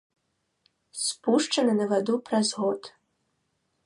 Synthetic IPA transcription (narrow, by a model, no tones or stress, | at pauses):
spuʂt͡ʂɐnɨnɐvad̪upɾɐzɣot̪